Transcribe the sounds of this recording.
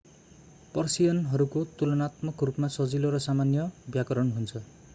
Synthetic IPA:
pʌrsijʌnɦʌɾukot̪ulʌnat̪mʌkrupmasʌd͡ziloɾʌsamanjʌbjakʌɾʌnɦunt͡sʰʌ

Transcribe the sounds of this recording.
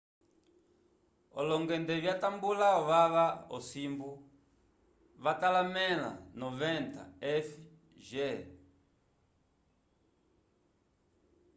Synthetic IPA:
ɔlɔŋɡɛndɛβjatambulaɔβaβaɔ̰simbu | βatalamɛla̰nɔvɛnta̰ɛfi | ʒɛ

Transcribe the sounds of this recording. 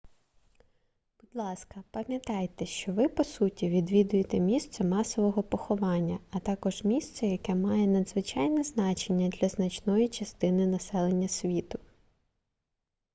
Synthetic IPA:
b̥ʊd̪lˠɑskɐpɐmʲjɐt̪ɑjt̪ɛʃt͡ʃɔʋɪpɔsutʲiʋʲid̪ʋʲid̪ʊjet̪ɛmʲist̪sɛmɑsɔʋɔɦɔpɔxɔʋɑnʲːɐɐt̪ɑkɔʒmʲist̪sɛjɐkɛmɑjɛnɐd̪zʋɪt͡ʃɑjnɛznɑt͡ʃenʲːɐd̪lʲɐznɐt͡ʃnɔjit͡ʃɐst̪ɪnɪnɐsɛlˠenʲːɐsʲʋʲit̪ʊ

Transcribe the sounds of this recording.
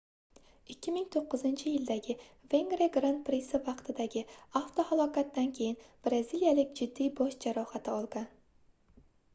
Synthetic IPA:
ɪkʲʰːɪmɪŋt̪ʰoqːɨzɪnt͡ʃʰɪjɪld̪aɡʲɪve̞ŋɡɾeɡɾant̪̚pɾɪsɪvɑqt̪ʰɪd̪aɡʲɪaft̪ohalˠɒkat̪d̪ankʲʰe̞jɪnb̥ɾaziljalɪkʲd͡ʒɪd̪ːijbɒʃd͡ʒaɾɒhat̪ʰɪɒlˠɡan

